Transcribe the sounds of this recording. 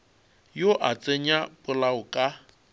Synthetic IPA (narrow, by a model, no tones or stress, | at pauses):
joʔat͡sʼeɲapʼʊlaʊkʼa